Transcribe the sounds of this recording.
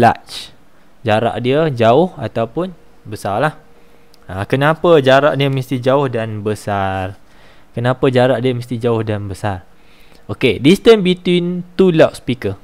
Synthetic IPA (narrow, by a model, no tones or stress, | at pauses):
la̰t͡ʃ | d͡ʒaɾa̰ʔdiəd͡ʒaʊha̰t̪awpʊn | bəsarlah | akənapəd͡ʒaɾaʔdiəməst̪id͡ʒaʊhdanbəsar | kənãpəd͡ʒaɾaʔdiəməst̪id͡ʒaʊhdanbəsar | okedist̪ənbit̪wint̪ulaʔspikə